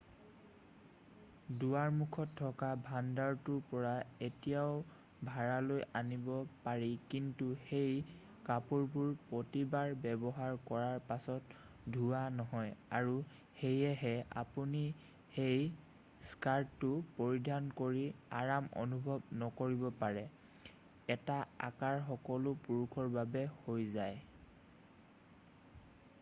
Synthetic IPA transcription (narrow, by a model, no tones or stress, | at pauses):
duwaɹmukʰɔtʰːɔkabʱandaɹtuɹpɔɹaetijaʊ | bʱaɹalojanibɔpaɹikintuxej | kapuɹbuɹpotibaɹbɛbɔɦaɹkɔɹaɹpasɔt | dʱuwanɔɦɔjaɹu | xejɛɦɛa̰puni | hej | skaɹtːʊpoɹidʱankoɹia̰ɹamɔ̰nubʱɔbnɔkoɹibɔpaɹɛ | ɛtaa̰kaɹxɔkɔlʊpuɹukʰɔɹbabɛhojzaj